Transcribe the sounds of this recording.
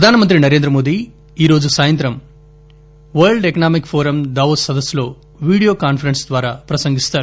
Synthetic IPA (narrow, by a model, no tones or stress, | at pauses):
pɾɐd̪ʱaːnɐmɐnt̪ɾinɐɾe̞ːnd̪ɾɐmo̞ːd̪i | iːɾo̞ːd͡ʒusaːjɐnt̪ɾɐm | ʋɐɭɖekɐnaːmikpʰoːɾɐmd̪ɐːʋosɐd̪ɐsːlo̞ː | ʋiːɽijo̞ːkaːnpʰɐɾensd̪ʋaːɾaːpɾɐsɐŋɡist̪aːɾ